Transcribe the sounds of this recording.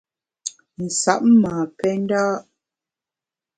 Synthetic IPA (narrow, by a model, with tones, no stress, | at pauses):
n̩˨sa̰˦˨ʔmaː˨pɛ˦n˦daː˦